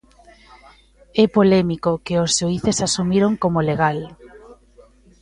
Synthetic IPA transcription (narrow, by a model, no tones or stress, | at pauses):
ɛpolɛmikokɪozʃuiθesasumiɾoŋkomoleɣ̞al